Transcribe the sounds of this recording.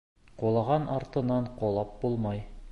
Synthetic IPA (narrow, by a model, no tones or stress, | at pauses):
qulˠɑʁɑnʔɑɾt̪ɤ̆nɑɴqolˠɑp̚bulˠmɑj